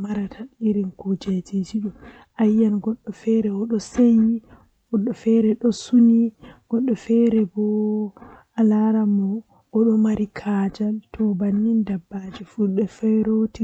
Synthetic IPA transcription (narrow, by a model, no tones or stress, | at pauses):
maɾatʰaɗiɾinkud͡ʒɛd͡ʒid͡ʒiɗɔ | ʔajːanɡɔɗːɔfɛɾɛɔɗɔseji | ɡ̥ɔɗːɔfɛɾɛɗɔsuniɡ̥ɔɗːɔfɛɾɛbɔ | alaɾamɔ | ɔɗɔmaɾikʰad͡ʒaltʰɔbanːindabːad͡ʒifuɗɛfajɾoti